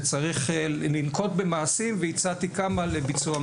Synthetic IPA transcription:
t͡saʁiχelinko̞t̪bemaːsimveit͡sat̪ikamalebit͡sua

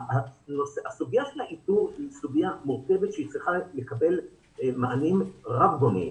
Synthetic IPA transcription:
anoseasuɡjaʃelhaʔituʁsuɡijamuʁke̞vet̪ʃeit͡sʁiχalekabe̞l | maʔanimʁavɡonḭ

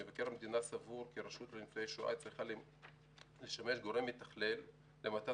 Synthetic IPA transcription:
evakeʁamed̪inasavuʁkiɾaʃut̪leimt͡sojejʃua̰t͡sʁiχal | leʃame̞ʃɡo̞ʁemit̪aχle̞lː | emata

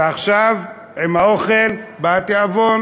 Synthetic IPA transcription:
aχʃav | emaoχelbat̪eavon

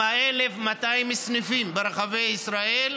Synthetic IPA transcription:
aelefmat̪aimisnifimbeɾaχavejisɾael

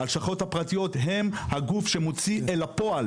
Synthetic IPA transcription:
alʃaχo̞thapʁatijo̞tɦemhaɡufʃe̞mot͡sielapo̞al

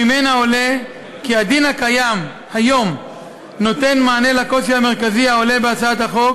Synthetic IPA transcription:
imenao̞le | kiad̪inhakajam | hajo̞m | no̞t̪e̞nmaːne̞lako̞sihame̞ʁ̞kaziaole̞beat͡saat̪haχo̞k

